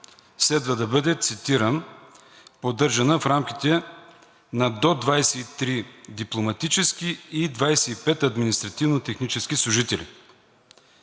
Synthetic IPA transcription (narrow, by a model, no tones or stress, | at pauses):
slɛd̪vəd̪ɐbɤd̪ɛt̪sit̪iɾən | pod̪ɤɾʒɐnəfɾamkʲit̪ɛ | nɐd̪ɔd̪vajsɛit̪ɾid̪iplˠomɐt̪it͡ʃɛskiːd̪vajsɛipɛt̪ɐd̪minist̪ɾɐt̪ivnot̪ɛxnit͡ʃɛskislˠuʒit̪ɛlḭ